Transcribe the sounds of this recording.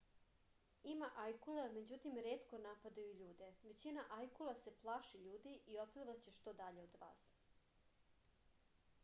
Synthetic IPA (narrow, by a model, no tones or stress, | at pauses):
imaʔajkulame̞d͡ʑut̪imɾeːt̪ko̞napad̪ajuʎuːd̪e̞ʋe̞t͡ɕinaʔajkulˠase̞plˠaːʃiʎuːd̪iʔiopliʋat͡ɕe̞ʃt̪o̞d̪aʎe̞od̪ʋa̰ːs